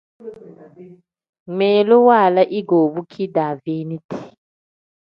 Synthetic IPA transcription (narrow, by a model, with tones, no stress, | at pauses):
mɛ˨lɔ˦wa˦˨la˦ʔi˦ɡo˨ɓu˦kʰi˦da˨vi˦ni˦tʰi̥˨